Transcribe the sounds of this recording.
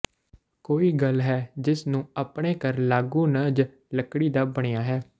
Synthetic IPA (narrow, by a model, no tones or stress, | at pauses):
koːiːɡəlɦɛːd͡ʒɪsnũːəpɽ̃eːkəɾlaːɡũːnəd͡ʒ | ləkɽiːd̪aːbəɽ̃ejaːɦɛː